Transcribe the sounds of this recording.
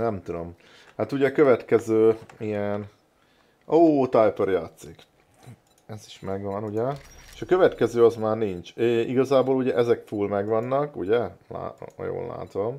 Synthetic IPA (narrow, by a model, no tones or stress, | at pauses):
nɛmt̪ud̪o̞m | hat̪uɟɛkøvɛt̪kɛzøːijɛn | ʔoːt̪ajpørjaːt̪sik | ɛzi̥ʃmɛɡʋɒnuɟɛeʃɒkø̞vɛt̪kɛzøːɒzmaːrniɲt͡ʃeːiɡɒzaːboːluɟɛʔɛzɛkfuːlmɛɡʋɒnːɒkṵɟɛla̰ːjo̰ːlːa̰ːt̪o̞m